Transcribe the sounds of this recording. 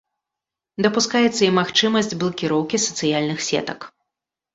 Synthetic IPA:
d̪ɐpuskajɛt̪sːɐimaxt͡ʂɨmɐsʲd͡zʲblˠɐkʲiɾɔwkʲisɐt̪sɨjalʲnɨxsʲɛ̰t̪ɐk

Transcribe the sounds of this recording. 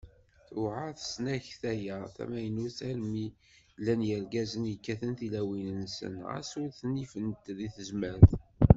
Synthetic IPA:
θʊʕaθsnæçθæjæθæ̰mæjənuθæɾmi | lːænjəɾɡæzənjəkːæθənθilæwinənsə̰nʁə̰suɾθnifənt̪ðiθəzmæɾθ

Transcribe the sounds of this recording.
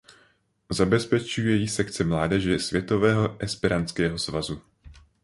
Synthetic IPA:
zabɛspɛt͡ʃujɛjiːsɛkt͡sɛmlaːdɛʒɛsvjɛt̪o̞vɛːɦo̞ʔɛspɪɾant͡skɛːɦo̞svazu

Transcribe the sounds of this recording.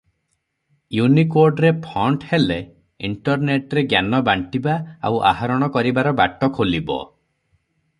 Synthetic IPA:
junikoɾɖɾepʰɔɳʈhele | iɳʈɔɾneʈɾeɡjanɔbaɳʈibaa̰wʔa̰ɦaɾɔɽ̃ɔkɔɾibaɾɔbaʈɔkʰolibɔ̰

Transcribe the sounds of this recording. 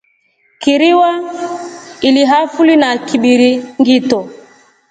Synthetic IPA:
kiɾiwa | iliɦafulinakiɓiɾiŋɡitɔ

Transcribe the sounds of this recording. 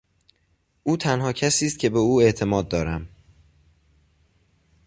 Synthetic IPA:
ʔuːt̪ʰænhɒːcʰæsiːst̪̚cʰe̞be̞uːe̞ʔt̪ʰe̞mɒːd̪̚ːɒːɾæm

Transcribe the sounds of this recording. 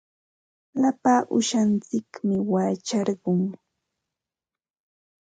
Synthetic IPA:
lapaːʔʊ̰ʃant͡sɪkmɪwaːt͡ʃɑɾɢʊŋ

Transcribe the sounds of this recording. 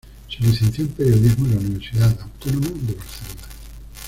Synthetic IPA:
sulisθenθjompeɾjoðiɦmolauniβ̞eɾsiðaðawt̪onõmad̪eβaɾθelona

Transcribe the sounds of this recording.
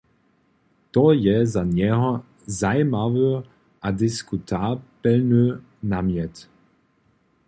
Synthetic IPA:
t̪ɔjɛzaɲɛɦɔ | zajmavø | ʔad̪ɪskut̪ʰabɛlnø | namjɛt̪

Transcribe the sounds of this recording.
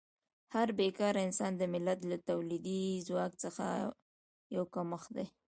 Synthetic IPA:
haɾbekɑɾɪnsɑnd̪əmɪlat̪lat̪awlid̪izwɑkt͡səxa̰ | jawkaməxd̪e

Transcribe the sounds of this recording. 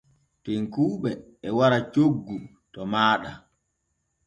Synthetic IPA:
teŋkuːɓɛː | waɾat͡ʃoɡːu | tɔmaːɗa

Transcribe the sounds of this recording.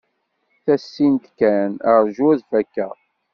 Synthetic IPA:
θæsːint̪kænəɾˤʒuæðfækːæ̰

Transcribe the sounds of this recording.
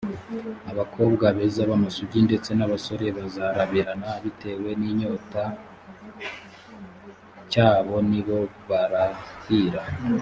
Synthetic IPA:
aβakʰo̞ːbɡaβezaβamasuɟinde̞t͡se̞naβaso̞ɾe̞βazaɾaβiɾanaβite̞we̞niːɲo̞ːta | caːβo̞niβo̞βaɾahiɾa

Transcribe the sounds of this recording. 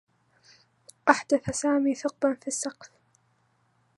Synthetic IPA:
ʔaħd̪aθasaːmiːθʊq̚banfisːɑqf

